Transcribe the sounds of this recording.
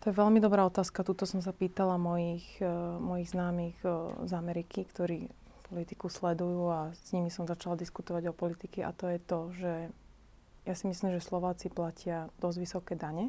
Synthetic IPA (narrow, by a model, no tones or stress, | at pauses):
t̪ɔjɛʋɛlmid̪ɔbɾaːɔt̪aːskat̪uːt̪ɔsɔms̬apiːt̪alamɔjiːxmɔjiɣznaːmiːɣzamɛɾikʰikt̪ɔɾiː | pɔlit̪i̥kuslɛd̪ujuːazɲimisɔmzat͡ʃalad̪iskut̪ɔʋaɟɔpɔlit̪ikɛʔa̰t̪ɔjɛt̪ɔʒɛ | jasimislimʒɛslɔʋaːt͡siplacɪad̪̥ɔzɟʋisɔkɛːd̪aɲɛ